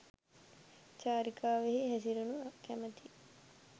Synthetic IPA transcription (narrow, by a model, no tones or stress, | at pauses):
t͡ʃaːɾikaːʋeɦiɦɛs̬iɾunukæmət̪i